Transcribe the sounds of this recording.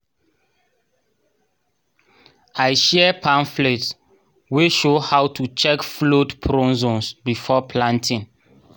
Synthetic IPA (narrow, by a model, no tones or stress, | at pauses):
ajʃɛɛpʰãnflet | weʃohawtʰut͡ʃɛkflotpʰɾɔ̃nzɔ̃nsbifɔpʰlãntĩn